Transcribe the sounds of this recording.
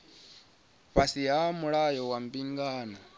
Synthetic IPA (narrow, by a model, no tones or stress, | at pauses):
βasiɦamuɺajɔwam̩biŋɡaːnɔ